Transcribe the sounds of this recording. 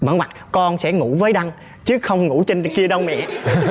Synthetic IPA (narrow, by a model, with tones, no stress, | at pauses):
mə̰˧˥˦nwa˨˩k̚kɔ˧nsɛ̰˧˥ŋṵ˧˩˥vəː˨˦jɗa˧ŋ | t͡ɕɨ˦əxə˧wŋ͡mŋṵ˧˩t͡ɕi˧n˨ki˧əɗə˧wmɛ̰˧˨